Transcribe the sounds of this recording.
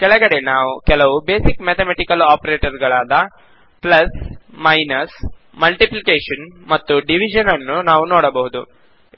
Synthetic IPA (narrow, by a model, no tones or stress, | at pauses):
kɛɭɐɡɐɽe̞naːʋukɛlɐʋube̞ːsikmet̪ʰemeʈikɐlaːpɐɾeːʈɐɾɡɐɭaːd̪ɐ | plɐsmɐjnɐs | mɐlʈiplikeːʂɐnmɐt̪ːuɖiʋid͡ʒɐnɐnːunaːʋunoːɽɐbɐɦud̪u